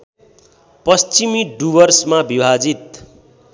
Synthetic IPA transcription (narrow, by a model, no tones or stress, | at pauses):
pʌst͡simiɖubʌrsmabibʱad͡zit̪̚